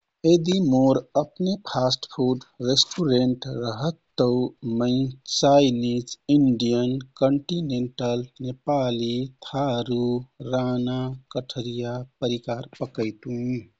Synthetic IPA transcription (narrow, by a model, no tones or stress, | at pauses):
ed̪imoɾəpnepʰasʈpʰuɾɖɾesʈuɾeɳʈɾəɦət̪ːəmə̃ɪ̃t͡ʃajnid͡ʒiɳɖijənkəɳʈineɳʈəlnepalit̪ʰaɾuɾanakəʈʰəɾijapəɾikaɾpəkəɪt̪ũ